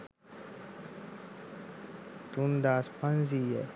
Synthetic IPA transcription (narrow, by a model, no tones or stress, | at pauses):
t̪und̪aːspanziːjɛ